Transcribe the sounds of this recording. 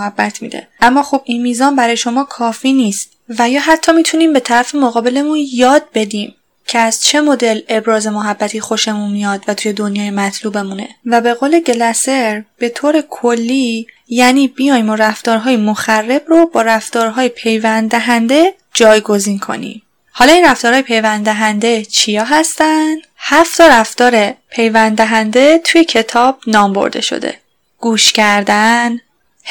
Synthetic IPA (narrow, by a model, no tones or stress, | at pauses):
hæbːæt̪ʰmḭːd̪ḛʔæmːɒːxobinmiːzɒːmbæɾɒːjeʃo̞mɒːkʰɒːfiːniːst̪ | væjɒːɦæt̪ʰːɒːmiːt̪ʰuniːmbe̞t̪ʰæɾæfe̞moɣɒːbe̞le̞munjɒːd̪̚be̞d̪iːm | cʰeæz̥t͡ʃʰe̞mo̞d̪e̞le̞bɾɒːze̞moɦæbːæt̪ʰiːxo̞ʃe̞munmijɒːd̪væt̪ʰuːje̞d̪onjɒːjemæt̪ʰluːbe̞mune̞̰væbe̞ɣoːle̞ɟe̞læse̞ɾb̥e̞t̪ʰoːɾe̞kʰolːiː | jæniːbijɒːjmoɾæft̪ɒːɾɦɒːjemoxærːe̞brobɒːɾæft̪ɒːɾɦɒːjepʰe̞jvænd̪æɦænd̪e̞ | d͡ʒɒːjɡo̞ziːnkʰo̞̰nḭːm | hɒːlɒːinræft̪ɒːɾhɒːjpʰe̞jvænd̪æɦænd̪e̞t͡ʃʰijɒːɦæst̪ænd̪̥hæft̪ʰɒɾæft̪ɒːɾepʰe̞jvænd̪eɦænd̪e̞t̪ʰujecʰe̞t̪ʰɒːb̥̚nɒːmbo̰ɾd̪e̞̰ʃo̰d̪ḛ | ɡ̥uːʃcʰæɾd̪æn